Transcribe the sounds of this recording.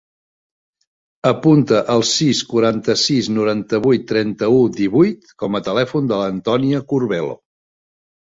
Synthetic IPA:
əpunt̪əʔəlˠsiskuɾant̪əsiznuɾant̪əβ̞ujt̪ːɾɛnt̪əud̪iβujt̪kɔmət̪əlɛfund̪ələnt̪ɔniəkuɾβɛlo̰

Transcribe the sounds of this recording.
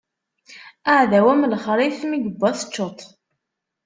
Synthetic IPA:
aʕðæwæmlχɾˤiθmiɡəbːæθə̥t͡ʃːot̪ˤ

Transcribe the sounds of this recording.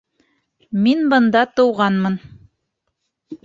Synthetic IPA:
minbɤ̆nd̪ɑt̪ɤ̆wʁɑnmɤn

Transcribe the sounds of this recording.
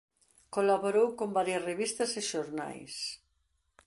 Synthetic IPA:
kolaβoɾowkombaɾjɐzreβist̪ɐseʃoɾna̰js

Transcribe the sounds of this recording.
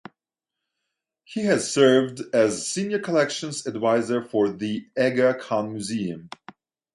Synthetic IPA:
hiɨz̥sɜ˞vdɨzsĩnjə˞kʰəlɛkʃə̃nzɨdvaɪzə˞fə˞ðiɛɡəkʰɑ̃nmjʉziɨ̃m

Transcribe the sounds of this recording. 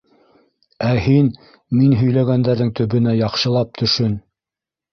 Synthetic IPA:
æhin | minɦɵ̆jlæɡænd̪æɾðɘŋt̪ɵ̆βɘ̆næjɑqʃɤ̆lˠɑp̚t̪ʰɵ̆ʃɵn

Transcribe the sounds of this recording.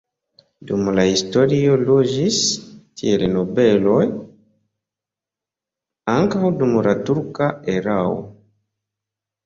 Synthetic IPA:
dumulahistoɾioloʒistʰielenobɛlɔj | aŋkawdumulatuɾkaeɾawo̰

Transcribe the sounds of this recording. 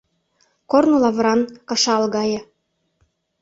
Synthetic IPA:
kornulɑβɾɑnkɤ̆ʃɑlɣɑjɤ̆

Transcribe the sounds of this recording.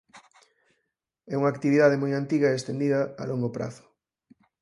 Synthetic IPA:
ɛuŋaːkt̪iβiðað̞emojant̪iɣɐeest̪end̪iðɐa̰loŋɡopɾa̰θʊ̥

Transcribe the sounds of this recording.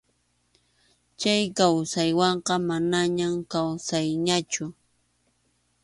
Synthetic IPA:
t͡ʃajkawsajwɑɴqɑmanaɲamkawsajɲat͡ʃʊ

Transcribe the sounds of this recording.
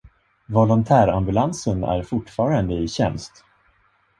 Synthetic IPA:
vɔlɔnt̪ʰæːɾambɵlansənæ̰ɾfʊʈːfɑːɾand̪əɪɕɛnst̪

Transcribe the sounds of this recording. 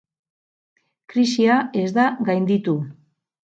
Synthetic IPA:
kɾisiae̞zd̪aɡajnd̪it̪u

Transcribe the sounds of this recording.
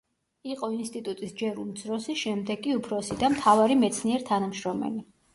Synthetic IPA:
iqʼɔinst̪ʼit̪ʼut̪ʼisd͡ʒɛɾumd̪zɾɔsiʃɛmd̪ɛɡʼiupʰɾɔsid̪amt̪ʰavaɾimɛt̪sʰniɛɾt̪ʰanamʃɾɔmɛ̰li

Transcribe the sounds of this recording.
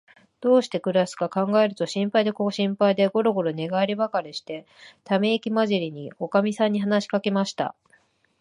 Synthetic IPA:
d̪̥o̞ːɕi̥t̪e̞kɯ̟ɾasɨ̥kakãŋɡae̞ɾɯ̟t̪o̞ɕĩmpaid̪ekoɕĩmpaid̪e̞ɡo̞ɾo̞ɡo̞ɾo̞ne̞ɡaɾʲibakaɾʲiɕi̥t̪e̞ | t̪ame̞ikʲimaʑiɾʲiɲ̟io̞kamʲisãɲ̟ːiɦanaɕi̥kake̞maɕi̥t̪a̰

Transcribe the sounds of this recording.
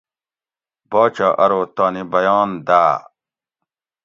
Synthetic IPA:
baːt͡ɕaːʔɐɾoːt̪aːnibɐjaːnd̪aː

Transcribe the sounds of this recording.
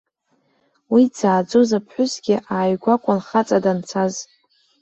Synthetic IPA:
wid͡zaːd͡zozapʰħʷᶣʊsɡʲɪʔaːjɡʷakʷʼʊnχat͡sʼadant͡sʰaz

